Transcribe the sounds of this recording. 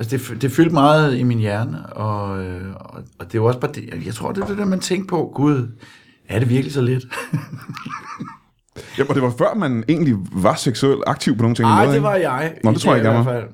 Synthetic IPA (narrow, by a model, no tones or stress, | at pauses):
ælsəd̥e̝fd̥e̝fyl̰d̥mɑ̈ːð̞̩ˠiminjæɐnəɒ̽øɒɒ̽d̥e̝jɒ̽sb̥ɑ̈ːd̥ejjäɪt͡sʰʁo̝ɐ̰d̥eɐd̥e̝d̥eɐmænt͡sʰeŋ̰ɡ̥̚pʰɒ̽ɡ̥uð̞ˠ | æɐɾe̝ʋiɐɡ̥əlisɒ̽led̥ | jæɒd̥e̝ʋɑ̈fɶɐ̰mæne̝̰ːn̩liʋɑ̈seɡ̥sueld̥ɑ̈ɡ̥̚t͡sʰiʊ̰pʰno̝ːn̩t͡sʰe̝ŋmæmeːðˠeʋɑ̈jɑ̈ɪnɔmdeʁo̰jɡæmæfæl̰